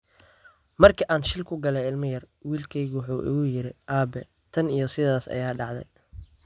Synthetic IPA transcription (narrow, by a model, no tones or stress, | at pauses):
mɐrkʰɐʔaːnʃɪlkʰʊɡɐlɛɪlmɐjɐr | wiːlkʰɛjɣwħuːʔɪ̰ɣʊjɪɾɪʔaːbɛ | t̪ʰɐnijɞsɪðaːsɐ̰jaːɖɑʕd̪ɛ̰j